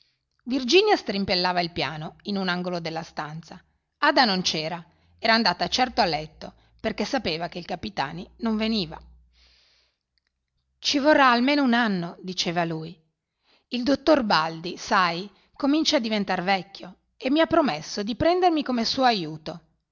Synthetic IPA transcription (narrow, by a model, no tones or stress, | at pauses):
vird͡ʒiːnjast̪ɾimpelːaːvailpjaːnoinunaŋɡolod̪elːast̪ant̪sa | aːd̪anont͡ʃɛːɾa | ɛːɾaːnd̪aːt̪at͡ʃɛrt̪oalːɛt̪ːo | perkesːapeːvakeilkapit̪a̰ːninoɱveniːva̰ | t͡ʃivorːaːlmeːnounanːod̪it͡ʃeːvaluːj | ild̪ot̪ːorbald̪isaj | komint͡ʃaːd̪ːivent̪arvɛkʲːjo | emːiapːɾomesːod̪ipɾɛnd̪ermikomesuːoajuːt̪o